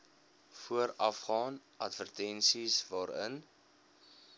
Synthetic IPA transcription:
fuəɾɐfχɑːnʔɐtvərtɛnsisvɑːɾə̰n

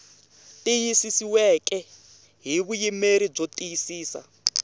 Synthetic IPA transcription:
tʼijisisiwɛkʼɛ | ɦiβujimeɾib͡ʐotʼijisiːsa̰

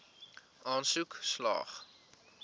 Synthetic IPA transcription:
ʔɑːnsukslɑ̰ːχ

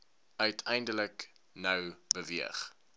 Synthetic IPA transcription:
œɥtʰɛjndələk | nəwbəviəχ

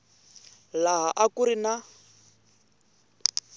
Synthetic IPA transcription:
laɦaʔakuɾina

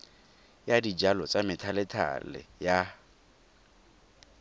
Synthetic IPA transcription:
jadid͡ʒalɔt͡sʼamɪtʰalɪtʰa̰lɪ̰ja

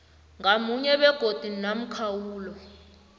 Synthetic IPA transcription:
ŋamuɲɛɓɛɡ̥ʱod̥ʱinam̩kʰawuːlɔ

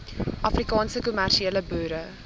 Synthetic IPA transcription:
ʔɐfrikɑːnsəkumærʃieːləbœːɾə

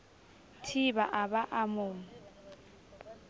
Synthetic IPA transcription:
tʰibaʔabaʔamʊːŋ̩

